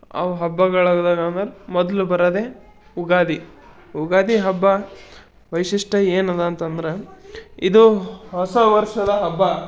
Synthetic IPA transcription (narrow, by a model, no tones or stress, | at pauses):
ɐ̰ʋɐɦɐbːɐɡɐɭɐɡd̪aːɡɐnd̪ɐɾemɔd̪ɐlubɐɾɐd̪e̞ | uɡaːd̪i | uɡaːd̪iɦɐbːɐ | ʋɐjʂiʂʈɐeːnɐd̪ɐːnt̪ɐnd̪ɐɾeid̪uɦɐsɐʋɐɾʂɐd̪ɐɦɐbːɐ